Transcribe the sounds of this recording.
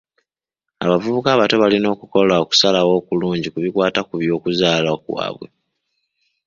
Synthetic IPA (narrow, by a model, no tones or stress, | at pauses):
a̰βavuβukaβato̞βalino̞ːkuko̞laoku̥salawo̞ːkuluːɲɟikuβikwaːtakuβjo̞ːkuzaːlakwa̰ːβwe